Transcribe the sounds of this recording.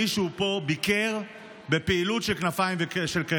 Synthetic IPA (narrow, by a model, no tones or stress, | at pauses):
iʃupo̞bikeʁ | bepeilutʃelknafajmveʃelk